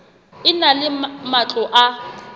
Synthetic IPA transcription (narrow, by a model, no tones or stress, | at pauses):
ɪnalɪmat͡ɬʼɔʔa